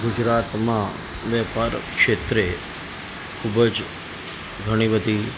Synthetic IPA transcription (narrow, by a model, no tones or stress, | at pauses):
ɡud͡ʒɾat̪mã | ʋɛpaɾkʃet̪ɾe | kʰubəd͡ʒ | ɡʱəɽ̃iʋəd̪ʱi